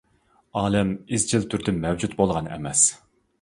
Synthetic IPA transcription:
ɑːlɛmizd͡ʒilt̪ʰyɾd̪ɪmɛwd͡ʒut̪bolˠʁɑnɛ̰mɛs

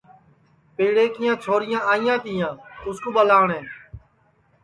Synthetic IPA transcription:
peːɽeːkɪjãːt͡ʃʰoːɾɪjãːaːɪjãːt̪ɪːjãːʊskuːɓəlaːɳẽː

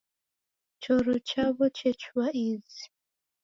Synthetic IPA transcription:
t͡ʃʰɔɾɔt͡ʃʰaβɔt͡ʃʰɛt͡ʃwaʔizi

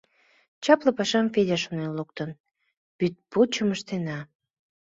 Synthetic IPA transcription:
t͡ɕɑplə̆pɑʃɑmfed̪ʲæʃonenluk̚t̪ən | pyt̪̚put͡ɕəməʃt̪enɑ

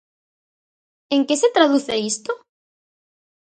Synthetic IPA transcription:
eŋkeset̪ɾaðuθeist̪o

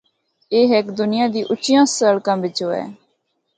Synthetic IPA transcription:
eːɦɛkd̪ʊnɪjãːd̪iːʔʊt͡ʃɪjãːsəɭkãːbɪt͡ʃɦoːɛ̰ː

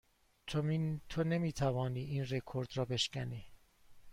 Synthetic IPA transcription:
t̪ʰomit̪ʰonemiːt̪ʰævɒːniːʔiːnrekʰoɾd̪ɾɒːbe̞ʃcʲæniː

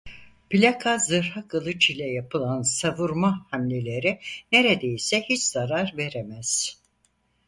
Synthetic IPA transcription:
pilʲakʰazɯɾhakɯlˠɯt͡ʃilʲɛjapʰɯlˠansavuɾmahamlʲelʲe̞ɾine̞ɾed̪ejisɛhit͡ʃz̥aɾaɾve̞ɾemæz̥

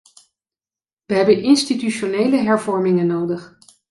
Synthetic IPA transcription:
ʋəɦɛbənʔɪnstityʃonejləɦɛɹvɔɹmɪŋənowdəχ

